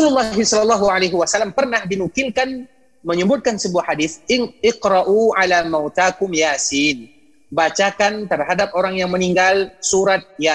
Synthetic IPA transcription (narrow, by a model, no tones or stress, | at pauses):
ululːɑɦisɔlɔlːɑɦualejɦiwasalːampərnahdinukɪlkan | məɲəbʊt̪̚kansəbuahadɪθɪqɾaʔuʕalamawt̪akʊmjasin | bat͡ʃakant̪ərɦadap̚oɾaŋjaŋməniŋɡalsuɾat̪̚ja